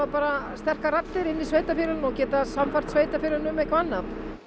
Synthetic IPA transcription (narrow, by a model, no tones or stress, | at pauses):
apaːɾast̪ɛr̥karat̪ːɪɾɪnːisveːjt̪afɪːɾʏnɔcɛːt̪asamfar̥t̪sveːjt̪afɪːɾɪnʏmekvanːap